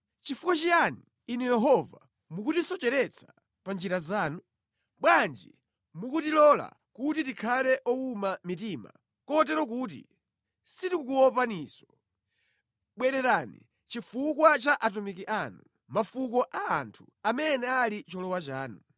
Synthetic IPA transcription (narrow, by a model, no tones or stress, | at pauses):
t͡ʃifukwɔt͡ʃijaniː | nɛjɛɦɔva̰ | mukutisɔt͡ʃɛɾɛt͡sʰḁ | pand͡ʒiɾazaːnu | ɓwand͡ʒi | mukutilɔla̰ | kutitikʰalɛʔɔumamit̬ima̰ | kɔt̬ɛɾɔk̬uːt̬ḭ | sitikukuɔpanisɔ̥ | ɓwɛɾɛɾanḭ | t͡ʃifukwat͡ʃaʔat̬umik̬iʔanu | mafukɔʔaːntʰu | amɛnɛalit͡ʃɔlɔwat͡ʃaːnu